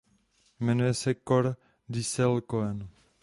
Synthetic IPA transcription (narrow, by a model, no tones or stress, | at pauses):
mɛnujɛsɛkoɾ | d̪isɛlkoɛn